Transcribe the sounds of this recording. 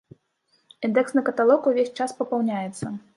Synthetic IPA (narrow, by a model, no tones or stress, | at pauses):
ind̪ɛksnɨkɐt̪alˠɔkuvʲesʲt͡ʂaspɐpawnʲajɛt̪sːɐ